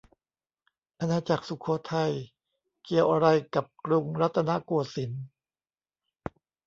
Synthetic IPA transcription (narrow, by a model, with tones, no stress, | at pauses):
ʔa˧nːaː˧t͡ɕa˨˩k̚su˨˩kʰo˧˦t̪ʰa˧j | ki˧˩əwʔa˧ɾa˧jka˨˩p̚kɾu˧ŋɾa˦˥t̪ʰːa˧na˦˥kuː˨˧˩əsi˩˦n